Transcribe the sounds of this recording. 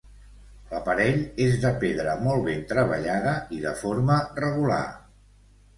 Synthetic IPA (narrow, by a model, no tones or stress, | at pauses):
ləpəɾɛʎezðəpeðɾəmɔlˠβent̪ɾəβ̞ə̰ʎaðəiðəfoɾmərəɣula̰